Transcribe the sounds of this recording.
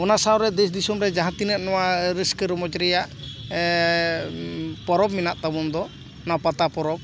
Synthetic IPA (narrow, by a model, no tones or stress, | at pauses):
ɔnasawɾɛd̪ɛsd̪isumɾɛd͡ʒaɦãt̪inət̪̚nɔwaɾiskəɾɔmɔd͡ʒɾɛjaʔ | pɔɾɔb̚minaʔt̪abɔnd̪ɔ | napat̪apɔɾɔp̚